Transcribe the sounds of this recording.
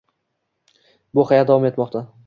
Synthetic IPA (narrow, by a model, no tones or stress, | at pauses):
bʊhajat̪d̪avɒme̞t̪mɒqt̪ʰa